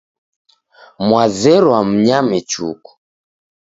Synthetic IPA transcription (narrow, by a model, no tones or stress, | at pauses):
mwazɛɾwam̩ɲamɛt͡ʃṵku̥